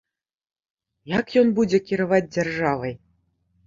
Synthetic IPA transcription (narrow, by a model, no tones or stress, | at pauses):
jakjɔnbud͡zʲɛkʲiɾavad͡zʲd͡zʲarʐavɐj